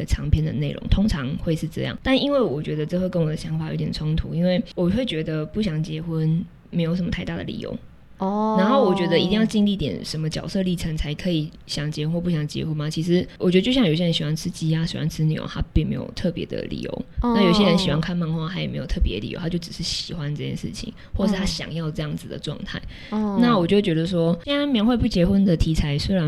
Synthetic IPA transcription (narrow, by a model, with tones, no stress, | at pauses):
ə˩ʈ͡ʂʰɑ˧˥ŋpʰjɛ˥nd̪ə̰˨ne˥˩ɪɻʔo̰˧˥ŋt̪ʰo˥ŋʈ͡ʂʰɑ˧˥ŋxwe˥˧ɪʂɻ̩˥˧ʈ͡ʂɤ̰˥˧jɑ̰˥˩ŋt̪a˥˩ni˥nwe˥˩ɪwɔ˨˩t͡ɕɥɛ˧˥d̪ə˧ʈ͡ʂɤ˥˧xwkə˥nwɔ˨˩d̪ə˨˩ɕjɑ˧˥ŋfa˨˩jo̰˧˥t̪jɛ˨˩nt͡sʰʊ˦˥ŋt̪ʰṵ˧˥i˦˥nwe˥˩ɪwɔ˨˩we˥˩ɪt͡ɕɥɛ˧˥d̪ə˧pu˥˩ɕjɑ˨˩ŋt͡ɕjɛ˧˥xwə˦n | me˧˥jʂə˧˩mə˦t̪ʰa˥˧ɪt̪a˥˩d̪ə̰˨lḭ˨˩jo̰˧˥ʊ | na˧˥nxo˥˩ʊwɔ˨˩t͡ɕɥɛ˧˥d̪ə˧˨i˧t̪i˥˧ŋjɑ˥˧ʊt͡ɕi˥˧ŋli˥˩˥t̪jɛ̰˨˩nʂə˧˥nmə˧t͡ɕjɑ˨˩ʊsɤ˥˧li˥˩ʈ͡ʂʰə˧˥ŋt͡sʰa˧˥ɪkʰɤ˧˥i˨˩˦ | ɕjɑ˨˩ŋt͡ɕjɛ˧˦xwu˧˥nwpu˥˩ɕjɑ˨˩nə˩t͡ɕjɛ̰˧˥xu˧˦nma˨t͡ɕʰi˧˥ʂɻ̩˧˥wt͡ɕɥdə˧t͡ɕjɕɑ˥˩ŋjo˨˩ɕjɻə˧˥ɕi˨˩wa˥nʈ͡ʂʰɻ̩˥t͡ɕi˧˥a˦˥ɕḭ˨˩wa̰˥˩nʈ͡ʂʰɻ̩˥njo̰˨˩t̪ʰa˦˥pi˥˩ŋme˧˥ɪjo̰˨˩ʊt̪ʰɤ˥˩pjɛ̰˧˥d̪ə̰˧˨lḭ˨˩jo̰˧˦ʊna˥˩jo˨˩i˩ɕ̬jɛ˦˥ɻə˧˦nɕi˨˩wa˥nkʰa˥˧nma˥˧nxwa˥˧˩t̪ʰa˥jme˧˥ɪjo˨˩ʊt̪ʰɤ˥˩p̬jɛ̰˧˦˨lḭ˨o̰˧˥˦t̪ʰa˥t͡ɕo˥˩ʊʈ͡ʂɻ̩˨˩ʂɻ̩˥˩ɕi˨˩xwa˦nʈ͡ʂɤ˥˩jɛ̰˥˩nʂɻ̩̰˥˩t͡ɕʰḭ˨˦ŋ | wɔ˥˩ʂ̩˥˩t̪ʰa˥ɕjɑ̰˨˩ŋjɑ˥˧ʊʈ͡ʂɤ˥˧jɑ˥˩ŋd͡zɹ̩˨˩d̪ə̰˩ʈ͡ʂwɑ̰˥˧ŋt̪ʰa̰˥˩ɪ | na˥˩wɔ˨˩t͡ɕjo˥˩ʊt͡ɕɥɛ˧˥d̪ə˧ʂ̬wɔ˦˥ɕɛ˥a˥nme˥˧jxwe˥˧ɪpu˥˩t͡ɕjɛ˧˥xwə˦nd̪ə˨t̪ʰi˧˥t͡sʰa˧˥ɪswe˥ɪɻa˧˦n